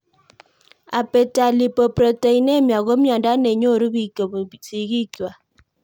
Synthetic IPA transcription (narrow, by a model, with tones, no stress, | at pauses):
a˨pe˨ta˨li˨po˨pɾɔ˨te˨i˨ne˦mja˨ɣo˦mja˨nda˦ne˨ɲo˦˨ɾu˦bi˨ksi˨ɡi˦kjwa˨